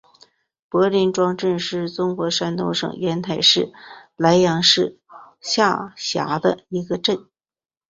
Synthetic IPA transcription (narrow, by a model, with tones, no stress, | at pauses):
pɤ˧˥li˧˥nʈ͡ʂwɑ˥ŋʈ͡ʂə˥˧nʂɻ̩˥˩t͡sʊ˥ŋxwɔ˧˥ʂa˥nt̪o˥˧ʊʂɤ̰˨˩ŋjɛ˧˥nt̪ʰa˨˩ɪʂɻ̩˥˩la˧˥ɪjɑ˧˥ŋʂɻ̩˥˩ | ɕja˥˩ɕja̰˧˥d̪ə̰˧i˧˥ɡə˧ʈ͡ʂə˥˩n